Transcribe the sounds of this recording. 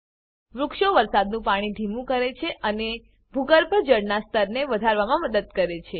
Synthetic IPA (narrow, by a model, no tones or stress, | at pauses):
ʋɾukʃoʋəɾsad̪nũpaɽ̃iɖ̪ʱimũkəɾet͡ʃʰeʔəne | bʱuɡəɾbʱəd͡ʒəɽnast̪ʰəɾneʋəd̪ʱaɾʋamãməd̪əd̪̚kəɾet͡ʃʰe